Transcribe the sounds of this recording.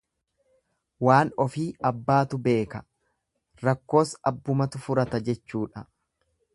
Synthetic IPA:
waːnɔfiːɐbːaːt̪ʊbe̞ːkɐ | ɾɐkːo̞ːsɐbːʊmɐt̪ʊfʊɾɐt̪ɐd͡ʒɛt͡ʃːuːᶑɐ

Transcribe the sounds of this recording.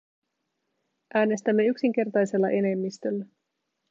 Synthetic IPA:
ʔæːne̞st̪æmːe̞yksiŋk̟e̞rt̪ɑjse̞lːɑ̰ʔe̞ne̞mːist̪ølːæ

